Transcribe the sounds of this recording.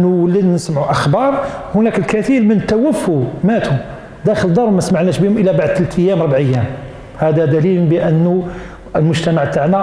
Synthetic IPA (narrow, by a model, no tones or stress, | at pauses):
nuwlːid̪nəsmʕuʔəxbɑɾˤ | hʊnækəlkæt̪iɾmənt̪ːæwəfːumæt̪ʰu | d̪æxələd̪ɑɾˤwmæsmaʕnæʃbihʊmʔəlːæbaʕd̪̚t̪əlt̪əjːæmɾˤbʕəjːæm | hæd̪æd̪ælilbəʔənːu | əlmʊʒt̪æmaʕt̪aʕnæ